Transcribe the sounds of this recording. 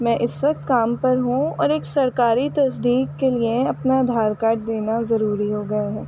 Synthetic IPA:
mɛ̃ːʔɪsʋɐk̚t̪kaːmpɐɾɦũɔ̰ːɾeːksɐɾkaːɾit̪ɐsd̪iːkkelieɐpnad̪ʱaːɾkaːʈ̚d̪eːnazɐɾuːɾiɦoːɡɐeɦɛː

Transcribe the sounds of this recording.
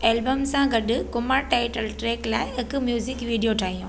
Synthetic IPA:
eːlbəmsãɡɐɗʊkʊmaɾʈaːɪʈəlʈɾeːklaːɪɦɪkʊmjuːzɪkʋiːɖijoʈʰaːɦijũː

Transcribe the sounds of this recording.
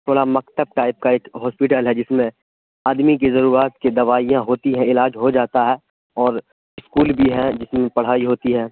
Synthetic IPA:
t̪ʰoːɽamɐkt̪əb̚ʈaːɪp̚kaeːkɦɔːspɪʈəlɦɛd͡ʒɪsmẽ | aːd̪mik̬ezɐɾuːɾat̪ked̪ɐʋaːijãɦoːt̪iɦɛ̃ɪlaːd͡ʒɦod͡ʒaːt̪aɦɛː | ɔːɾ | ɪskuːlbʱiɦɛ̃d͡ʒɪsmẽpɐɽ̤aːiɦoːt̪iɦɛː

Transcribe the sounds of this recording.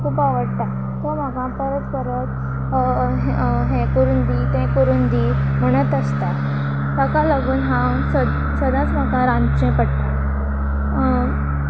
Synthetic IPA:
kʰuːpaʋəɽt̪a | t̪ɔm̤aɡãpəɾət̪kəɾət̪ | ɦɦẽkoɾuːnd̪iːt̪ẽkoɾuːnd̪im̤əɽ̃ət̪əst̪a | t̪akalaɡuːnɦã | sə | səd̪ãt͡sm̤akaɾãnt͡ɕẽpəɽt̪a

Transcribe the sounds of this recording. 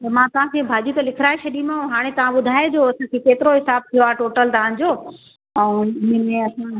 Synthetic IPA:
t̪ɐmãt̪ɐʋ̤ãkʰeːbʱaːd͡ʑuːt̪ɐlɪkʰɪɾaːet͡ɕʰɐɗĩmãũɦaːɽ̃ẽt̪ɐʋ̤ãɓʊd̪ʱaːed͡ʑoːɐsãkʰekeːt̪ɪɾoɦɪsaːb̚t̪ʰijoaːʈoːʈəlt̪ɐʋ̤ã̆ːd͡ʑoː | ɛ̃ɪnəmẽɐsã

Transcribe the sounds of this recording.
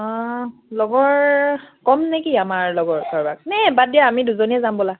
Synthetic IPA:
ɔlɔɡɔɹkɔmnekiamaɹlɔɡɔɹsɔɹbaɡ̚nɛbadijaːmiduzoniɛzambɔla

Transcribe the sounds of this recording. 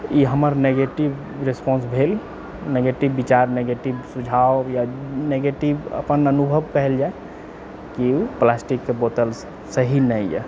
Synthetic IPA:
iɦəməɾneɡeʈib | ɾespɔ̃nsbʱel | neɡeʈibːit͡ʃaɾneɡeʈibsud͡ʒʱaojaneɡeʈibə̰pənənubʱəbkəɦɛld͡ʒae | kiplasʈikːebot̪əl | səɦinɛjɛ̰

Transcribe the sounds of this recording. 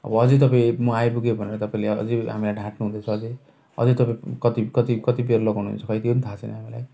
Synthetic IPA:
ʌ̰bʌʌd͡zit̪̬ʌpãĩmuajbuɡebʱʌneɾʌt̪ʌpaĩleʌ̰d͡ziɦa̰milajɖʱãʈnuɦũd̪et͡sʰʌːd͡zi | ʌ̰d͡zit̪ʌpaĩkʌt̪ikʌt̪ikʌt̪ibeɾloɡonuɦṵnt͡sʰʌkʌjt̪iunit̪ʰat͡sʰenḭɦamila̰j

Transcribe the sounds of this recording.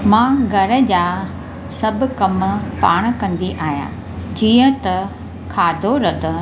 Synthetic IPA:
mãːɡʱɐɾə̆d͡ʑaː | sɐbʱʊ̆kɐmpaːɽ̃̆kɐ̃nd̪iʔaːɦja̰ː | d͡ʑiːə̃t̪ɐ | kʰaːd̪ʱoɾɐd̪ʱə̆

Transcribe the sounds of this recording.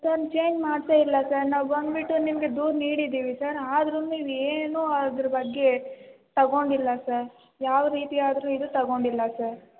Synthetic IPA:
sɐɾnt͡ʃe̞ːɲd͡ʒmaːɖt̪eilːɐsɐɾnaːʋbɐnd̪biʈːunimɐɡe̞d̪uːɾniːɽid̪iːʋisɐɾaːd̪ɐɾuniːʋeːnuɐd̪ɐɾɐbɐɡːe̞t̪ɐɡo̞ɳɖilːɐsɐɾ | jaːʋɐɾiːt̪iaːd̪ɐɾuid̪ut̪ɐɡo̞ɳɖilːɐsɐɾ

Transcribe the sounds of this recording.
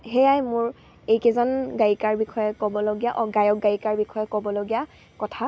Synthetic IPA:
ɦejajmʊɹ | ejkɛzanɡaɹikaɹbixʰɔjɛkɔbɔloɡijaʔɔɡajɔk̚ɡaɹikaɹbixʰɔjɛkɔbɔloɡija | kɔtʰa

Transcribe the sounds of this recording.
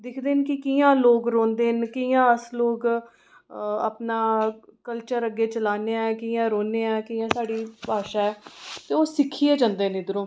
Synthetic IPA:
d̪ɪkʰd̪eːnkɪkijãːloːɡɾõːnd̪eːnkijãːəsloːɡ | a̰pnaːkəlt͡ʃəɾəɡːeːt͡ʃəlaːneːɛːkiːãːɾõːneːɛ̃ːkiːãːsaːɽiːpaːʃaːɛːt̪eːoːsɪkʰiːeːd͡ʒãːnd̪eːnẽːd̪əɾõː

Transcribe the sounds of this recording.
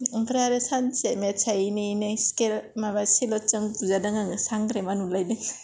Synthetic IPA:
ɡɾaɾesansemet͡ʃʰajninɯskelmabasilɔt͡ʃɯŋbuzadaŋaŋɯsaŋɡɾemanulajdɯŋ

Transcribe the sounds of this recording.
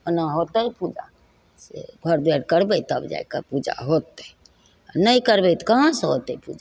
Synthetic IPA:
ənaɦot̪əpud͡ʒa̰ | sḛɡʱəɾd̪ɛɽkəɾbɛjt̪əbd͡ʒa̰jkapud͡ʒa̰ɦot̪ɛ | anəjkəɾbɛt̪kəɦãsəɦot̪ɛpṵd͡ʒa

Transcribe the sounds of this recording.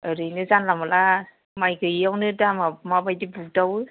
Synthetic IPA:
ɯɾɯjnɯzanlamala | majɡʰɯijawnɯdamamabajdibudaw

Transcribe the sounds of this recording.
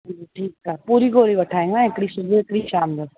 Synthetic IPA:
ʈʰiːkapuːɾiɡoːɾibɐʈʰaːẽːŋɡnãɪkɽisʊzəɪkɽiʃaːmd̪ə

